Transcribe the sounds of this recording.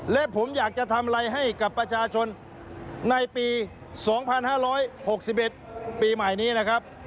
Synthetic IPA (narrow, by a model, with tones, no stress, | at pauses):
lɛ˦˥ʔpʰo˩˦mjaː˨˩k̚t͡ɕa˨˩t̪ʰa˧m˧ɾa˧jɦa˥˩jka˨˩pːɾa˧t͡ɕʰaː˧t͡ɕʰo˧nː | a˧jpiː˧ | sɔː˩˦ŋpʰa˧nhaː˥˩ɾɔː˦˥jho˨˩k̚si˨˩p̚ʔe˨˩t̪̚piː˧ma˨˩jniː˦˥na˦˥kʰa˦˥p̚